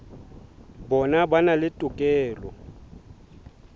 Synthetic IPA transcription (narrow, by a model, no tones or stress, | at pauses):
bɔnabanalɪtʼʊkʼɛːlɔ